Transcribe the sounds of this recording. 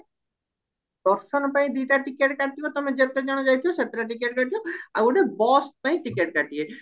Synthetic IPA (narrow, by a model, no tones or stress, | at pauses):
b̪ɔɾsɔnpaĩd̪iʈaʈikeʈkaʈːikot̪ɔmed͡ʑet̪ed͡ʒaɽ̃od͡ʒajt̪ʰioset̪ɾaʈikeʈ̚kaʈijoa̰ɾuɖebɔspãĩʈikeʈkaʈie